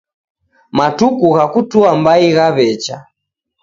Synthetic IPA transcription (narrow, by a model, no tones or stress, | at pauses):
matukuɣakutuambaiɣaβɛt͡ʃa